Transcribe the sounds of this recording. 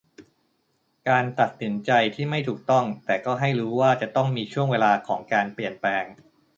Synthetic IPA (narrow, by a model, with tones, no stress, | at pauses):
kaː˧nt̪a˨˩t̪̚si˩˦nt͡ɕa˧jt̪ʰiː˥˩ma˥˩jt̪ʰuː˨˩k̚t̪ɔ˥˩ŋt̪ɛː˨˩kɔː˥˩ɦa˥˩jɾuː˦˥waː˥˩t͡ɕa˨˩t̪ɔ˥˩ŋmiː˧t͡ɕʰu˥˩əŋweː˧laː˧kʰɔː˩˦ŋkaː˧npli˨˩ənplɛː˧ŋ